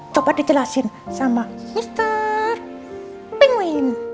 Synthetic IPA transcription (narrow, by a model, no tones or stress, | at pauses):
t͡ʃobad̥̪id͡ʒəlasɪn | samamist̪ər | pɪŋwɪn